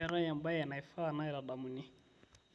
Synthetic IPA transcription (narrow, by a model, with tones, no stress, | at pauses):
ɛ˨ɾa˦ja˨mba˦ja˨na˨i˨fa˦˨na˦i˨ɾa˨ɗa˨mu˨ni˦